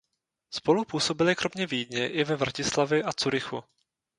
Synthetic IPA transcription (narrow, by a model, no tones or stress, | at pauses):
spo̞lupuːso̞bɪlɪkɾʔo̞mɲɛviːdɲɛʔɪvɛvɾacɪslavjɛʔat͡suɾɪxṵ